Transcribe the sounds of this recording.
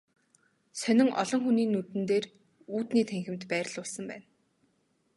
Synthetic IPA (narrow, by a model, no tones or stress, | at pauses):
sœnʲɪ̆ŋʔɔ̰ɮɞ̆ŋxuniːnːut̪ɘ̆nt̪eːr | uːt̪niːt̪ʰæŋxʲɪ̆mt̪pæːrɮʊɮsə̆mpæ̰ːn